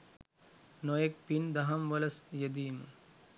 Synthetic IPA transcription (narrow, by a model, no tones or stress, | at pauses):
nojek̚pind̪ɐɦɐmʋəlɐsjed̪iːmə̰